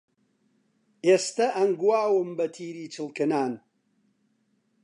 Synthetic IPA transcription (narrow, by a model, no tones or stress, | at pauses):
eːst̪ɐʔɐŋɡuwaːwɨmbɐt̪ʰiːɾiːt͡ʃʰɨlkɨnaːn